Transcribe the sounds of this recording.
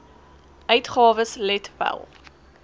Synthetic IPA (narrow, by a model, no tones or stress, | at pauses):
ʔœɥtχɑːvəslɛtwæ̰lˠ